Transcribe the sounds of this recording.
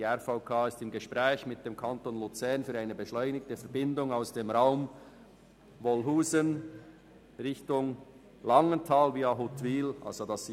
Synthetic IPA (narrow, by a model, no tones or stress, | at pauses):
iɛɾfaʊkʰaːɪstɪmɡəʃpʁɛːçmɪt̚d̥eːmkʰɑntoːnlut͡sɛʁnfyːɾaɪnəbəʃlɔʏnɪk̚təfɛɐbɪndʊŋaʊsd̥eːmʁaʊm | vɔlɦuːzən | ʁɪçtʊŋ | lɑŋəntʰɑːlviːɑɦʊtviːlʔɑ̰lz̥odɑs